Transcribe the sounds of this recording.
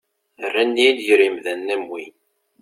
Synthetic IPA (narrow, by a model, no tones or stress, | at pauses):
ərːænːiljɾimðænːæmwin